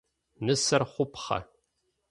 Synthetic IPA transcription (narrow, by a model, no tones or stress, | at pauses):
nɨsɐrχʷʊpχɐ̰